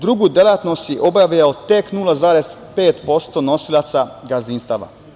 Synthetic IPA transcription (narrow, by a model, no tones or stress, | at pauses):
d̪ɾuɡud̪elat̪no̞st̪jiʔo̞bjaʋijaot̪eknulˠazaːɾez̥ | pe̞ːt̪po̞st̪onosilˠat̪saɡazinst̪aʋa̰